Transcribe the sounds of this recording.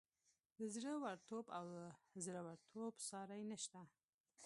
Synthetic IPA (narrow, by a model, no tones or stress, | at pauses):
d̪əzɾəwaɾt̪obawəzɾəwaɽt̪ʰobsɑɾajnəʃt̪a